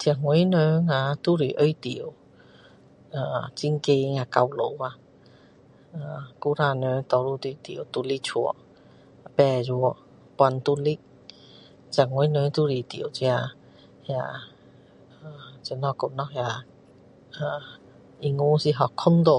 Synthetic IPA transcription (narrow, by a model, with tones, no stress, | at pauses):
t̪ʰi˧a˨ŋwe˨˦nə˧ŋã˧˨t̪u˧˦ɾi˨˩ʔə˧˦jt̪i˨ə˨w | ʔəː˨˩t͡ɕi˧ŋke˧ŋa˧˨ka˧wlo˨˦wa˧ | a˨ku˧˦ɾa˧nə˧˦t̪ɔ˧ɾu˧t̪i˧˩t̪ḭ˨ə˨wt̪u˧li˦k̚t͡ɕʰu˧˩ə̰˨˧˨ | pɛ˧˩zu˧ə˧ | pwa˧˨nt̪u˧li˦k̚ | t͡ɕ̚ʰŋwe˧˦nə˧˦t̪u˧ɾi˨˩t̪ḭ˨ə˨wt͡ɕi˧a˧ | ja˧˩˨ | ə˨˩t͡ɕə˧˨nɔ˧ko˧˩nɔ˧˥khja˧˨ | ə˨˩ | ʔi˧ŋu˧˦si˧ɦɔ˨˩kkʰɔ˦nd̪o˧˨